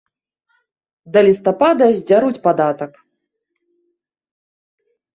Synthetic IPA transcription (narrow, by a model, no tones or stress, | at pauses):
d̪ɐlʲist̪apad̪ɐzʲd͡zʲaɾut͡sʲpad̪at̪ɐk